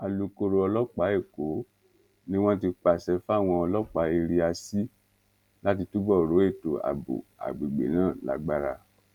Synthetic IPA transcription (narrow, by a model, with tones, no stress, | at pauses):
a˨lu˨ko˧ɾo˧˦ɔ˧lɔ˦k͡pa˨˦e˦˨ko˨˦ | nĩ˦w̃ɔ̃˦t̬i˧k͡pa˨sɛ˧fu˦a˦˨w̃ɔ̃˧ɔ˧lɔ˦k͡pa˨˦i˧ɾi˧a˧si˦ | la˦ti˧tu˦bɔ˦˨ɾo˨˦e˦˨to̰˨a̰˨bṵ˨a̰˨ɡ͡bi˨ɡ͡bḛ˨nãː˦˨la̰˨˧ɡ͡ba˦˧ɾa̰˧